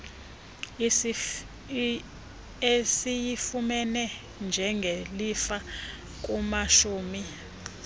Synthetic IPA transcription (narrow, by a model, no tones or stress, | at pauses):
esijifumɛnɛ | nd͡ʒʱɛŋɡʱelifa | k̬ʼumaʃuːmi